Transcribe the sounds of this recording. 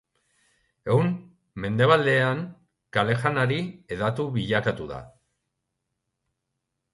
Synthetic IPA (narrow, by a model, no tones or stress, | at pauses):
ewn | me̞nd̪e̞βald̪e̞aŋ | kale̞xanaɾieðat̪uβiʎakat̪uða̰